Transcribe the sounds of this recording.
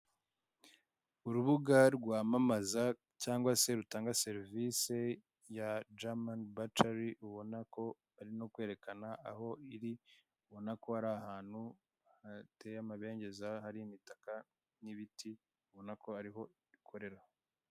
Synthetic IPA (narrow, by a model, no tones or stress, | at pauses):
uɾuβuɡaɾɡwaːmamaza | caːŋɡwase̞ɾutaːŋɡase̞ɾvise̞ | jad͡ʒamanbataɾiuβo̞nako̞ | aɾino̞kwe̞ːɾe̞kanaaɦo̞iɾi | uβo̞nako̞aɾahaːn̥hu | hatejamaβe̞ːɲɟe̞zahaɾiimitaka | niβitʰi | uβo̞nako̞aɾiɦo̞ | βikʰo̞ɾe̞ɾa